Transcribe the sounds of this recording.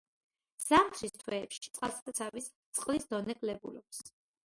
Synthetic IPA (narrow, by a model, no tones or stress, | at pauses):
z̥amt̪ʰɾist̪ʰwɛːpʃi̥t̪sʼqʼalˠsad̪at̪sʰavist̪sʼqʼlisd̪ɔnɛkʼlɛbulɔps